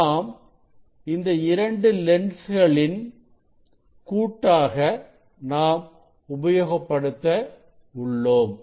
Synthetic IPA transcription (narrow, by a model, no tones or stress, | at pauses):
aːm | ɪnd̪ɐɪɾɐɳɖɯlɛɳɖsɣɐɭɪn | kuːʈːaːɣɐ | naːm | ʊbɐjoːɣɐpːɐɽɯt̪ːɐ | ʊɭːoːm